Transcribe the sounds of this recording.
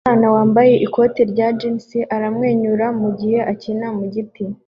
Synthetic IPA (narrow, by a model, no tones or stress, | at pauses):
aːnawaːmbaje̞ʔiko̞ːtiɾɟad͡ʒinsiʔaɾamŋe̞ːɲuɾamuɟihe̞ʔacinamuɟiti